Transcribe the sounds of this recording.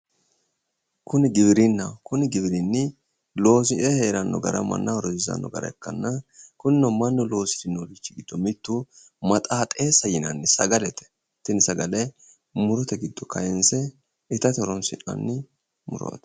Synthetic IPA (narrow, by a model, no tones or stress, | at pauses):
kʊnɪɡɪbɪɾɪnːɐkʊnɪɡɪbɪɾɪnːɪ | lo̞ːsɪɛheːɾɐnːɔ̰ɡɐ̰ɾɐ̰mɐ̰nːɐɔɾɔzɪzɐ̰nːɔ̰ɡɐ̰ɾɐ̰ɛkːɐnːɐkʊnɪnɔmɐnːʊlo̞ːsɪ̥t̪ɪnːolɪt͡ʃːɪɡɪd̪̥ːɔmɪt̪ːu | mɐt̪ʼaːt̪ʼeːsɐjɪnɐnːɪsɐɡɐlɛt̪ɛ̥ | t̪ɪnɪsɐɡɐlɛ | mʊɾɔt̪ɛɡɪd̪ːɔkɐjɛnsɛ | ɪt̪ɐt̪ɔɾɔnsɪ̰nɐ̰nːɪ | mʊ̰ɾo̰t̪